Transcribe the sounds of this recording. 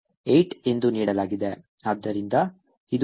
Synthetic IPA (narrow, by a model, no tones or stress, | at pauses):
ejʈe̞nd̪uniːɽɐlaːɡid̪e̞ | aːd̪ːɐɾind̪ɐ | id̪